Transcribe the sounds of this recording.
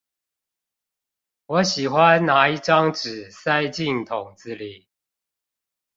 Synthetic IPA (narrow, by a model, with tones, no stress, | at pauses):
wɔ˨˦ɕi˨˩xwa˦nːa˨˦i˥˨ʈ͡ʂɑ˦ŋʈ͡ʂɻ̩˨˩sa˦ɪt͡ɕi˥˨ŋt̪ʰʊ˨˩ŋt͡sɹ̩˥˦˨li˨˦